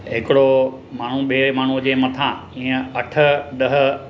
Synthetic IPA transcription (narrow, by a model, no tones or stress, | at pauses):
ɦɪkɪɽo | maːɳ̤uɓemaːɳ̤ud͡ʑẽːmɐt̪ʰãĩːə̃ɐʈʰə̆ɗɐɦ̆